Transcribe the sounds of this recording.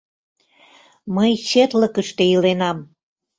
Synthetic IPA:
məjɕet̪lə̆kəʃt̪ejilenɑm

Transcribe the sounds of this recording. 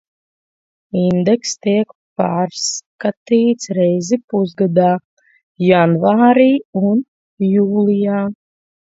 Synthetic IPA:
ind̪ekst̪iɛkpaːɾskat̪iːt̪sɾɛjzipuzɡad̪aː | janvaːɾiːun | juːlˠijaː

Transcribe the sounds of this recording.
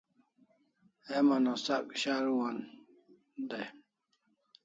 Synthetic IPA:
emanosakɕaɾuwan | d̪a

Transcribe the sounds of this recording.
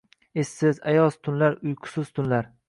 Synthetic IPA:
esːɪzajɒst̪ʰʊnlaɾʊjqʰʊ̥sɪz̥t̪ʰʊnlaɾ

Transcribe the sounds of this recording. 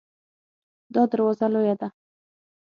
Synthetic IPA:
d̪ɒd̪əɾwɒzalojad̪a

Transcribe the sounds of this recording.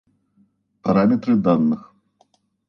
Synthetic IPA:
paɾamʲɛt̪ɾɨd̪anːɨx

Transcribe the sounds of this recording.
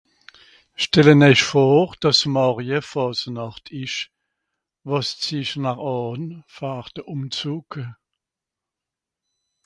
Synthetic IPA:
ʃtɛlənɛʃfoːʁd̥ɑsmɑʁjəfɔːsənɑχtʰɪʃ | vɑst͡siʃnaχɑːnfaːʁtəʔumt͡suːkə

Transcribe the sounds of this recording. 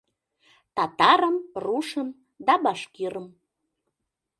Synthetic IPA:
t̪ɑt̪ɑɾəmruʃəm | d̪ɑbɑʃkiɾəm

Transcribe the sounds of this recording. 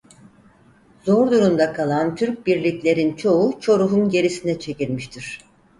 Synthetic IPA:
zoɾd̪uɾumd̪akʰalˠant̪ʰyɾc̚biɾlʲiclʲe̞ɾint͡ʃʰo̞ut͡ʃʰo̞ɾuɦunɟe̞ɾisinɛt͡ʃʰe̞cilʲmiʃt̪ʰiɾ̝̥

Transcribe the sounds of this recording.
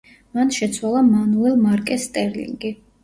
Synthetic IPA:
manʃɛt̪sʰwalˠamanuɛlˠmaɾkʼɛst̪ʼɛɾlḭŋɡi

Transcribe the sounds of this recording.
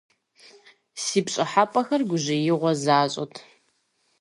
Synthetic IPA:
siːpɕʼɪħapʼɐxɐrɡʷʊʑɪjɪʁʷɔzaːɕʼɐ̰tʰ

